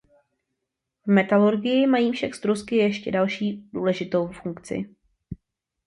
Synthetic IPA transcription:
vmɛt̪aluɾɡɪjɪmajiːfʃaɡst̪ɾuskɪjɛʃcɛdalʃiːd̥uːlɛʒɪt̪o̞wfuŋkt͡sɪ̰

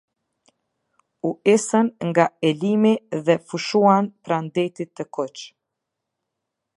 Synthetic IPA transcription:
uʔisənŋɡaɛlimiðɛfuʃuanpɾand̪ɛt̪it̪ːəkɔt͡ʃ

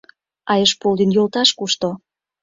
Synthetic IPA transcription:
ɑjəʃpold̪injolt̪ɑʃkuʃt̪o

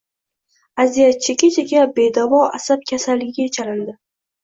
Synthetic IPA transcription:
azijat͡ʃʰekʲat͡ʃʰeɡʲabe̞d̪avɒa̰sap̚kʲʰasalːɪɡʲɪɡʲajet͡ʃʰalɪnd̪ɪ

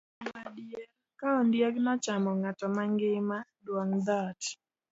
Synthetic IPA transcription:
madjɛ | kaɔndjɛɡnɔt͡ʃamɔŋatɔmaŋɡɪmadwɔŋd̪at

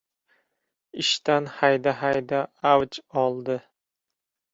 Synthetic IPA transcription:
ɪʃt̪anhajd̪aɦajd̪aawt͡ʃɒlˠd̪ɪ

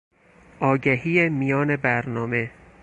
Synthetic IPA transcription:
ʔɒːɟæɦiːemijɒːne̞bæɾnɒːme̞

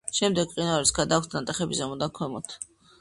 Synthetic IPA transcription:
ʃɛmd̪ɛɡ̚qʼinaɾisɡad̪ak̚ʷʰt̪ʰnat̪ʼɛχɛbizamɔd̪aŋkʰɔmɔt̪ʰ

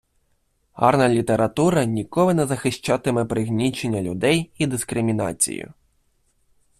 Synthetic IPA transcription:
hɑ̰rnɐlʲit̪eɾɐt̪uɾɐnʲikɔlˠɪnɛzɐxɪʃt͡ʃɑt̪ɪmɛpɾɪɣnʲit͡ʃenʲːɐlʲʊ̰d̪ɛjid̪ɪskɾɪmʲinɑ̰t͡sʲḭjʊ̰

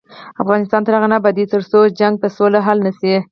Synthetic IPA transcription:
afɣɑnɪst̪ɑnt̪aɾaɣanabad̪it̪əɾsod͡ʒaŋɡ̚t̪asolaɦalnəsi

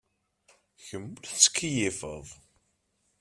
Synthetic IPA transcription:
çəmːəlθt͡sːə̥kːijifə̰ðˤ

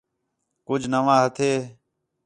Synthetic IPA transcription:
kʊd͡ʒʱnəʋãːɦət̪ʰeː

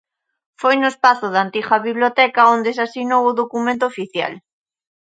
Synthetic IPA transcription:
fojnʊespaθʊðant̪iɣaβiβlot̪ɛkaond̪esasinowʊðokumẽnt̪oːfiθja̰l

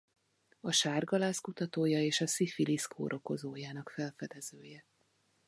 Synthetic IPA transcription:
ɒʃaːrɡɒlaːskut̪ɒt̪oːjɒeːʃɒsifiliskʰo̰ːɾʔo̞ko̞zoːjaːnɒkfɛlfɛd̪ɛz̥øːjɛ

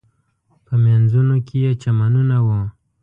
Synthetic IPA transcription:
pəmjanzunokejet͡ʃamanunawo

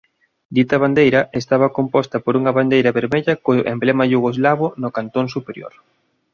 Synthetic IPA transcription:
d̪it̪ɐβand̪ejɾɐest̪aβɐkompɔst̪ɐpoɾuŋɐβand̪ejɾɐβeɾmeʎɐkoʔḛmblɛmɐʎuɣozlaβʊnokant̪onsupeɾjo̰ɾ

